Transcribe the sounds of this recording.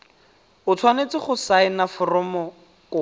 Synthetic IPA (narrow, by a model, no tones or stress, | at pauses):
ʊt͡sʰwanet͡sɪχʊsaɪnafʊrɔmɔ | kʊ